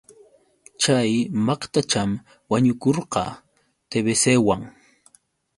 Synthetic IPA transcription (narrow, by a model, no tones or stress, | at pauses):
t͡ʃajmɑqt̪at͡ʃam | waɲʊkoɾqɑ̰ | t̪eβesewaŋ